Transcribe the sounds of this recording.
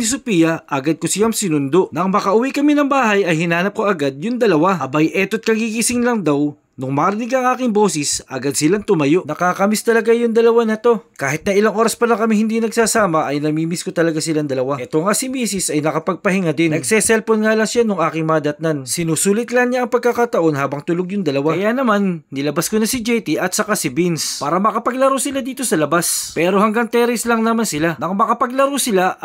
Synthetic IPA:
ɪs̬ʊpiːjɐʔɐɡad̪̚kʊsɪjaŋsɪnʊnd̪o̞ʔnɐŋmɐkɐʔʊwikɐminɐŋbaːɦɐjɐjhɪnaːnɐp̚koʔɐɡad̪̚jʊŋd̪ɐlɐwaɐbɐjʔɛt̪ot̪̚kɐɡiɡisɪŋlɐŋd̪ɐw | nʊŋmaːɾɪniɡɐŋʔaːkɪŋbo̞ːsɪsʔɐɡad̪sɪlaŋt̪ʊmɐjo̞ʔnɐkaːkɐmɪst̪ɐlɐɡajʊŋd̪ɐlɐwanɐt̪o̞kaːɦɪt̪̚nɐʔɪlaŋʔo̞ːɾɐspɐlɐŋkɐmihɪnd̪inɐɡsaːsaːmɐʔɐjnɐmiːmɪskot̪ɐlɐɡasɪland̪ɐlɐwaʔɛt̪oŋasɪmiːsɪsɐjnɐkɐpɐɡ̚pɐhɪŋad̪ɪnɐɡsɛsɛlponŋaːlɐŋʃanʊŋʔaːkɪŋmaːd̪ɐt̪̚nansɪnuːsuːlɪt̪lɐŋɲaʔɐŋpɐɡ̚kɐkat̪ɐʔo̞nhaːbɐŋt̪ʊloɡjʊŋd̪ɐlɐwaɐjanɐmanːɪlɐbaskonɐsɪd͡ʒɛjt̪iʔɐt̪̚sɐkasɪbinspaːɾɐmɐkɐpɐɡ̚lɐɾosɪlad̪iːt̪o̞sɐlɐbaspɛːɾo̞hɐŋɡaŋt̪ɛɾɪslɐŋnɐmansɪlanɐŋmɐkɐpɐɡlɐɾosɪla

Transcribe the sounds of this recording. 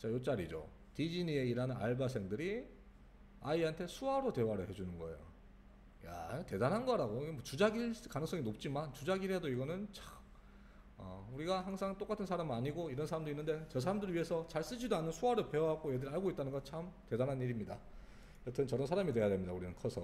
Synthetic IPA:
t͡ɕajot͡ɕ͈aɾid͡ʑo̰ | tid͡ʑinie̞iɾanɯna̰ɭbas̬ʰe̞ŋdɯɾi | aiɦantʰe̞sʰuaɾote̞waɾɯɭhe̞d͡ʑunɯnɡʌe̞̰jo̰ | ja̰te̞danɦanɡʌɾaɡoiɡemwʌt͡ɕud͡ʑaɡiɭkanɯŋs͈ʌŋinop̚t͡ɕ͈imant͡ɕud͡ʑaɡiɾɦedoiɡʌnɯnt͡ɕḁk | ʌ̰uɾiɡaɦaŋsʰaŋt͈ok͈atʰɯnsʰaɾamɯaɲiɡoiɾʌnsʰaɾamndoinːɯnde̞t͡ɕʌs̬ʰaɾamdɯɾɯɭɥiɦe̞sʰʌt͡ɕaɭs͈ɯd͡ʑidoanɯnsʰuaɾɯɭpe̞wɦaɡojedɯɾaɭɡoit͈̚anɯnɡʌnt͡ɕʰamte̞danɦaniɾimɲida̰ | ʌtʰʌnt͡ɕʌɾʌnsʰaɾamidwe̞jadwemɲidauɾinɯnkʰʌsʰʌ

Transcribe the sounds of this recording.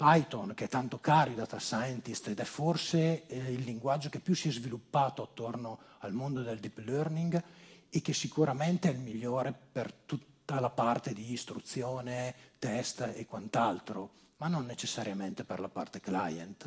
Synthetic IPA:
pajt̪onkeɛt̪ant̪okaːɾjod̪at̪asaent̪ist̪ed̪ɛforseilːiŋɡwad͡ʒːokepːjusiɛzvilupːaːt̪oat̪ːornoalmond̪od̪eld̪iplørniŋɡekːesikuɾamɛnt̪eɛlmiʎːoːɾepert̪ut̪ːalapart̪ed̪iːst̪ɾut̪sjoːnet̪ɛst̪ekwant̪alt̪ɾo | manonːet͡ʃesːaɾjamɛnt̪eperlapa̰rt̪ekla̰jḛnt̪

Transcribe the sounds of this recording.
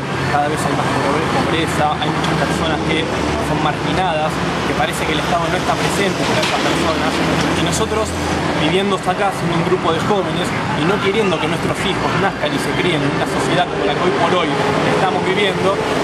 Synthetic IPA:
kaðaβ̞e̞sajmaspooɾepo̞βɾesaʔajmut͡ʃaspeɾso̞naske | so̞nmaɾkinað̞as | kepaɾesekeːleht̪að̞o̞no̞est̪apɾesent̪epaɾaest̪aspeɾso̞nasino̞so̞t̪ɾo̞s | biβje̞nd̪oasakasjenuŋɡɾupo̞ð̞exo̞βe̞ne̞s | ino̞kjeɾje̞nd̪o̞kenwest̪ɾo̞sixo̞snahkanise̞kɾeennunaso̞sje̞ð̞akomolakeojpo̞ɾo̞jlaest̪amo̞zβiβje̞nd̪o̞

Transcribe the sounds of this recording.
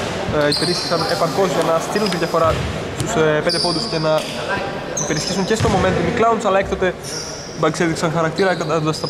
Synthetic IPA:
ipeɾisçi̥sɐne̞pɐɾko̞zʝɐnɐst̪iɾunt̪ed̪jɐfo̞ɾɐ | st̪uspend̪efo̞nd̪usce̞nɐ | ipe̞ɾisçesuŋcest̪o̞momet̪t̪miklɐwund̪sɐlɐekt̪ot̪e | bɐkseðiksɐŋxɐɾɐk̚t̪iɾɐkɐt̪ɐod̪ɐst̪ɐ

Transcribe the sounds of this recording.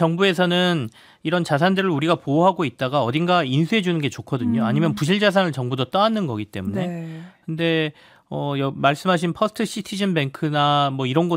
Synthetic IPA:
t͡ɕʌŋbue̞sʰʌnɯn | iɾʌnt͡ɕas̬ʰandɯɾɯɭuɾiɡapooɦaɡoit̚t͈aɡaʌdinɡainsʰuɦe̞d͡ʑunɯnɡe̞t͡ɕokʰʌdɯɲoaɲimjʌnpuɕ̬ʰiɭd͡ʑas̬ʰanɯɭt͡ɕʌŋbudot͈ʌanːɯnɡʌɡit͈e̞mune̞kɯnde̞ | ʌjʌmaɭs͈ɯmɦaɕ̬ʰinpʰʌsʰtʰɯɕʰitʰid͡ʑʌnbe̞ŋkʰɯnamwʌiɾʌnɡʌ

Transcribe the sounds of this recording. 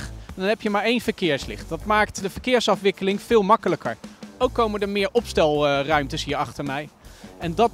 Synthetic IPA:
dɑnɦɛpjəmaːɹejnvəɹkɪːɹslɪ̰χtdɑtmaːktdəvəɹkɪːɹsɑfʋɪkəlɪŋv̥ɪːlˠmɑkələkəɹowkːowmədəɹmɪːɹʔɔpstɛlˠrœɥmtəsɦiːɹɑχtəɹmɛjɛndɑt

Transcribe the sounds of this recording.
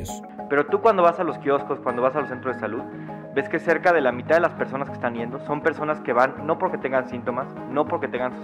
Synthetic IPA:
pe̞ɾo̞t̪ukwand̪o̞βasalo̞skjo̞sko̞skwand̪oβasalosent̪ɾozesaluð | be̞ske̞se̞ɾkað̞e̞lamit̪aðelaspe̞ɾso̞naskest̪anje̞nd̪o̞so̞mpe̞ɾso̞naske̞βanːo̞po̞ɾke̞t̪e̞ŋɡansint̪o̞mas | no̞po̞ɾke̞t̪e̞ŋɡans

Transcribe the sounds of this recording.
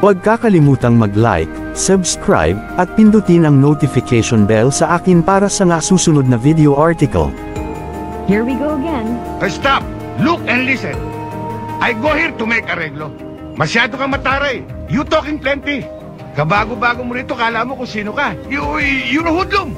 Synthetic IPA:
pɐɡ̚kakɐlɪmuːt̪ɐŋmɐɡla̰jk̚ | sɐbskɹa̰jbʔɐt̪̚pɪnd̪ʊt̪ɪnɐŋnot̪ɪfɪkɛjʃonbɛlsɐʔaːkɪnpaːɾɐsɐŋasuːsʊnod̪̚nɐvid̪ɛoʔaɹt̪ɪkɐ̰l | hiɹwiɡoʊɐɡɛ̃nʔɐst̪ap̚ | luk̚ɛnd̪lisɛ̃n | ʔɐjɡohɛɾt̪ʊmɛjkɐɾɛɡlo | mɐsjaːd̪okɐmɐt̪aːɾaj | jʊt̪oːkɪŋplɛnt̪ɪ | kɐbaːɡobaːɡomoɾiːt̪okaɐlamokʊŋsiːnokajʊjʊnɐhud̪loŋ

